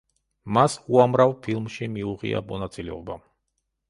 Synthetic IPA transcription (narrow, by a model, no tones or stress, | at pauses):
masuamɾavpʰilˠmʃimiuʁḭa̰mɔnat̪sʼilɛɔba